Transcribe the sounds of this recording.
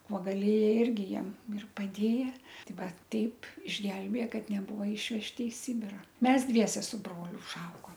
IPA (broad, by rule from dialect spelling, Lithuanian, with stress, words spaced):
ˈkuɔ ɡɐˈlʲeːjɛ ˈɪrʲɡʲɪ ˈjiɛm ɪr pɐˈdʲeːjɛ ˈtʲɪ ˈʋɐ ˈtʲɛɪp ɪʒʲˈɡʲɛlʲbʲeːjɛ ˈkɐt nʲɛˈbuːʋɐ ˈɪʃʲʋʲɛʃʲtʲɪ ɪ ˈsʲɪbʲɪrɐ ˈmʲɛs ˈdʲʋʲiɛsʲɛ sʊ ˈbroːlʲʊ ʊʒˈɐʊɡoːm